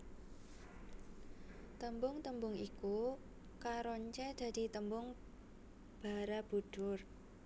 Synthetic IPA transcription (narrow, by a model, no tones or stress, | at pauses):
t̪əmbʊŋt̪əmbʊŋiku | kaɾoɲt͡ʃɛd̪̥a̤d̪̥i̤t̪əmbʊŋ | b̥a̤ɾab̥uɖ̥ʊr